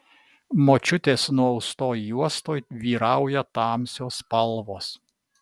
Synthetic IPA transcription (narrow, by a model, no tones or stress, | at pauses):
moːt͡ʃʲʊt̪ʲeːsnuɔɔʊst̪oːjuɔst̪oːjʋʲiːɾɑʊjɛt̪ɑːmʲsʲoːspɐlˠʋoːs